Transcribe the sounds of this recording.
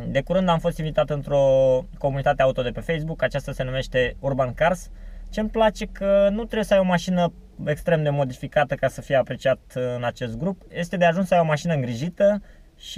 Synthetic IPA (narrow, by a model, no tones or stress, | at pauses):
d̪e̞kuɾɨnd̪amfo̞st̪invit̪at̪ɨnt̪ɾo̞ko̞munit̪at̪e̞aut̪o̞d̪e̞pe̞fe̞js̬bukat͡ʃast̪ase̞nume̞ʃt̪e̞urbankarst͡ʃe̞mplat͡ʃe̞kʰənut̪ɾejesəajomaʃinəekst̪ɾe̞md̪e̞mo̞d̪ifikat̪əkasəfije̞apɾe̞t͡ʃiat̪ɨnat͡ʃe̞st̪̚ɡɾupje̞st̪e̞d̪eaʒunsəajo̞maʃinəɨŋɡɾiʒit̪ə | ʃi